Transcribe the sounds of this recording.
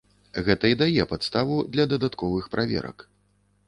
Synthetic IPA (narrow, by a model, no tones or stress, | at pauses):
ɣɛt̪ɐid̪ajɛpat̪st̪avud̪lʲɐd̪ɐd̪at̪kɔvɨxpɾʔavʲɛ̰ɾɐ̰k